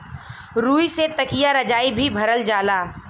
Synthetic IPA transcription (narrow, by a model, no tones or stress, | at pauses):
ɾuːiset̪ɐkijaɾɐd͡ʒaːibʱibʱɐɾəld͡ʒaːlaː